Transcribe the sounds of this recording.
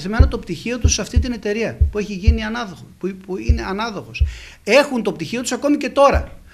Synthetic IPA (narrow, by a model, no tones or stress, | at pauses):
θime̞not̪o̞pt̪içio̞t̪usːɐft̪it̪ine̞t̪e̞ɾiɐpue̞çiʝiniɐnɐðopuine̞ɐnɐðo̞ɣo̞s | e̞xunt̪o̞pt̪içio̞t̪u̥sɐko̞mice̞t̪o̞ɾɐ̰